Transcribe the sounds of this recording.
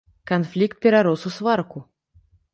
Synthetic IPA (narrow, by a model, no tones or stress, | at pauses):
kanflʲikt̪̚pʲɛɾaɾɔsusvarku